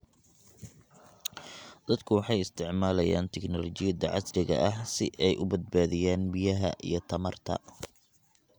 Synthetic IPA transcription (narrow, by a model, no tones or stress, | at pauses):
d̪̥ɐd̪kʰʊwɑħɑjɪst̪ʰɪʕmaːlɐja̰ːnt̪ʰɛknɔlɔt͡ʃɪjɐd̪ɐʕɑsrɪɣɐ̰ʔɐhsɪʔɛjʔʊbɐd̪̚baːðɪjaːnbijɐɦɐ̰ʔḭjɞt̪ʰɐmɐrt̪ʰɐ̰